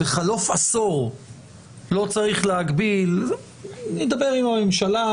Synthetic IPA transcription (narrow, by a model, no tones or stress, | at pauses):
eχalo̞fasoʁ | lo̞t͡saʁiχleaɡbil | nid̪abeʁimamemʃala